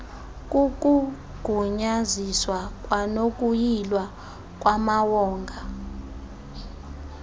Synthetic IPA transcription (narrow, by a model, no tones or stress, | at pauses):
kʼuk̬ʼu | ɡ̥ʱuɲaziswak̬ʼwanok̬ʼujilwa | k̬ʼwamawɔːŋɡʱa